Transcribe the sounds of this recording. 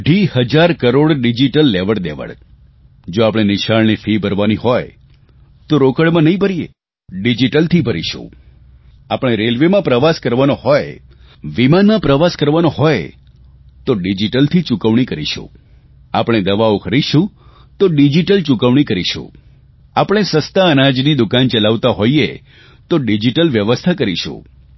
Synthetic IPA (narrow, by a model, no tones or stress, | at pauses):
ɖʱihəd͡ʒaɾkəɾoɽɖid͡ʒiʈəlːeʋəɽd̪eʋə̰ɽ | d͡ʒoapɽ̃enɪʃaɭnifibʱəɾʋaniɦɔj | t̪oɾokəɽmãnəɦĩbʱəɾiḛ | ɖid͡ʒiʈəlt̪ʰibʱəɾiʃṵ̃ | apəɳ̃eɾelʋemãpɾəʋaskəɾʋanohɔj | ʋimanmãpɾəʋaskəɾʋanoɦɔj | t̪oɖid͡ʒiʈəlt̪ʰit͡ʃukəʋɳ̃ikəɾiʃṵ̃ | apɽ̃ed̪əʋaokʰəɾiʃũ | t̪oɖid͡ʒiʈəlt͡ʃukəʋɽ̃ikəɾiʃṵ̃ | apɽ̃esəst̪aənad͡ʒnid̪ukant͡ʃəlaʋt̪aɦoie | t̪oɖid͡ʒiʈəlʋjəʋəst̪ʰakəɾiʃṵ̃